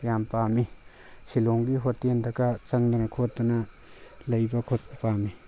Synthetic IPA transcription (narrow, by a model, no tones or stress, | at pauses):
jampami | siloŋɡiɦotːendɐɡɐt͡ʃɐŋdɐnɐkʰot̚dunɐ | lɐjbɐkʰot̚bɐpami